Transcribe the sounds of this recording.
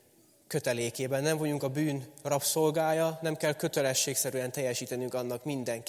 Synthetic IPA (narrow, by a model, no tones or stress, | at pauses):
køt̪ɛleːkeːbɛnːɛɱvoɲuŋkɒbyːnrɒpso̞lɡaːjɒnɛmkɛlkø̞t̪ɛlɛʃːeːksɛɾyɛnt̪ɛjːɛʃiːt̪ɛnyŋkɒnːɒkmind̪ɛŋk